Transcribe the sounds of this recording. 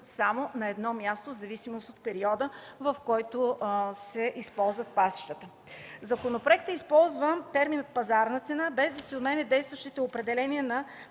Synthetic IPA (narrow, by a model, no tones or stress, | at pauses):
samonɐɛd̪nɔmʲjast̪ozɐvisimost̪ot̪̚pɛɾiɔd̪əvɐfkɔjt̪ʊsɛʔispɔlˠzvət̪̚pasi̥ʃt̪ət̪ə | zɐkonopɾoɛk̚t̪ɛispɔlˠzvət̪ɛɾminət̪̚pɐzaɾnət̪sɛnabɛzd̪ɐsiot̪mɛnɛd̪ɛjst̪vəʃt̪it̪ɛopɾɛd̪ɛlɛnʲiənɐ